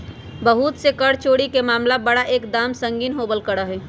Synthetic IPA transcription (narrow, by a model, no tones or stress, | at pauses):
bəɦut̪sekəɽt͡ʃoːɽikemaːmlabəɽaʔeːkd̪aːmsə̃ŋɡiːnɦobəlkəɽəɦɛː